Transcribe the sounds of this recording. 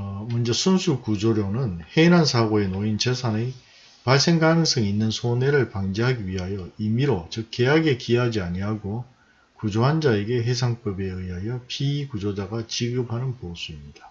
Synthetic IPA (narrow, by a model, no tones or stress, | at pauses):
mund͡ʑesʰunsʰukud͡ʑoɾjonɯnheinɦansʰaɡoe̞noint͡ɕesʰane | paɭs͈e̞ŋɡanɯŋs͈ʌŋinːɯnsʰone̞ɾɯɭpaŋd͡ʑeɦaɡiɥiɦajʌimiɾot͡ɕɯk̚k͈ejaɡe̞kiɦad͡ʑiaɲiɦaɡo | kud͡ʑoɦand͡ʑae̞ɡe̞ɦe̞sʰaŋp͈ʌbe̞ɯiɦajʌpʰiːkud͡ʑod͡ʑaɡat͡ɕiɡɯpʰanɯnposʰuimɲida